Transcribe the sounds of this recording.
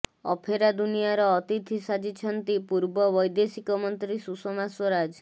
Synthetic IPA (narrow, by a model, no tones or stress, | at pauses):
ɔpʰeɾad̪unijaɾɔːt̪it̪ʰisad͡ʒit͡ʃʰɔnt̪ipuɾbɔbɔjd̪esikɔmɔnt̪ɾisusɔmaswɔɾad͡ʒ